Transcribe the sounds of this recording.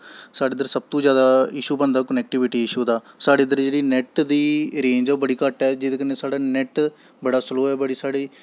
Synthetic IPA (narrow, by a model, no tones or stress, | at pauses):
saːɖeːd̪əɾsəb̚t̪õːd͡ʒjaːd̪aːɪʃuːpənd̪aːkənɛːk̚ʈɪbɪʈiːɪʃuːd̪aː | saːɖeːd̪əɾd͡ʒeːɽiːnɛʈd̪iːɾẽːd͡ʒɛbəɽiːkəʈɛːd͡ʒɪd̪eːkəneːsaːɽaːnɛʈ | bəɽaːsloːɛːbəɽiːsaːɽeː